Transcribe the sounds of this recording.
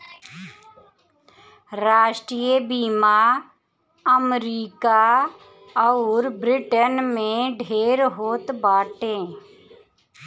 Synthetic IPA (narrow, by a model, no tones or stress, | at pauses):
ɾaːʃʈɾijebiːma | əmɾiːka | ɔʊɾbɾɪʈənmẽɖʱeːɾɦoːt̪baːʈẽː